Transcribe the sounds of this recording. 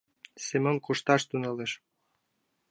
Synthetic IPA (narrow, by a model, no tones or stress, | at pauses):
semonkuʃt̪ɑʃt̪unɤleʃ